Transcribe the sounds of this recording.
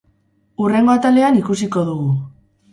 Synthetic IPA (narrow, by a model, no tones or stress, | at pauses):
ure̞ŋɡo̞at̪ale̞anikusiko̞ð̞uɣu